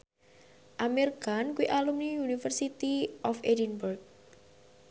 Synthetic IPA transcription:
ʔamerkankuiʔalumniunifərsit̪iʔɔfedinburk̚

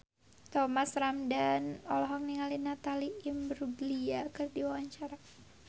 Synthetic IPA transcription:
t̪ɔmasramdanɔlɔɦɔŋniŋalinat̪aliʔimbəɾuɡliakɨrdiwawaɲt͡ʃaɾa

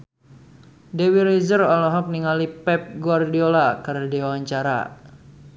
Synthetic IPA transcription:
dewiɾezərɔlɔɦɔk̚niŋalipɛp̚ɡuardiolakərdiwawaɲt͡ʃaɾa̰

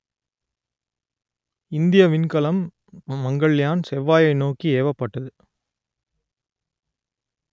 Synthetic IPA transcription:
ɪnd̪ɪjɐʋɪnkɐlɐmː | ɐŋɡɐɭjaːnsɛʋːaːjɐɪnoːkːieːʋɐpːɐʈːɐðɯ

